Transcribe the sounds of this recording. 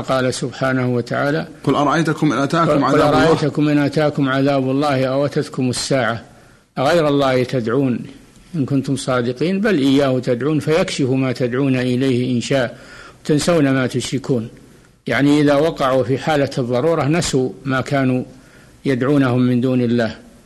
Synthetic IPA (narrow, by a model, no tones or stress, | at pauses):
qɑːlasʊbħaːnahwat̪aʕaːla | qʊlʔɑɾˤɑʔajt̪ʊkʊmːɪnʔat̪aːqaʊlɑɾˤɑʔajt̪ʊkʊmʔɪnʔat̪aːkʊmʕaðaːbɑlˤːɑːhʔawʔat̪at̪kʊmasːaːʕa | ʔɣajɾɑlˤːɑːht̪ad̪ʕuːn | ʔɪnkʊnt̪ʊmsˤɑːd̪ɪqiːnbalʔɪjːaːhʊt̪ad̪ʕuːnfajakʃɪfumaːt̪ad̪ʕuːnaʔɪlajhʔɪnʃaːʔwt̪ansawnamaːt̪ʊʃɾɪkuːn | jaʕniʔɪðawɑqɑʕufiħaːlaɨðˤːɑɾˤuːɾˤɑnasuːmaːkaːnu | jad̪ʕuːnahʊmːɪnd̪uːnɪlːaːh